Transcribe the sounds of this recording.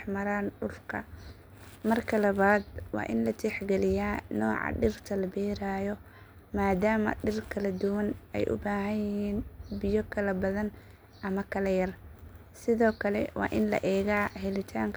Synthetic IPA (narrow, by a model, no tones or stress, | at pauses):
ħmɐɾaːnɖʊlkʰɐ | mɐrkʰɐlɐβaːd̪wɑ̰ːʔɪnlɐt̪ʰɛħɡɛlɪjaːnɔːʕɑ̰ɖɪrt̪ʰɐlɐbɛːɾaːjɔ | maːd̪aːmɐ̰ɖɪrkʰɐlɐd̪ʊwɐnɛ̰jʔʊ̰baːɦɐjjɪɦiːnbɪjɔkʰɐlɐbɐðɐn | ʔɐmɐkʰɐlɐjɐr | sɪðɔːkʰɐlɛ̰wɑ̰ːʔɪnlɐ̰ʔɛːɣaːɦɛlɪt̪ʰaːŋkʰ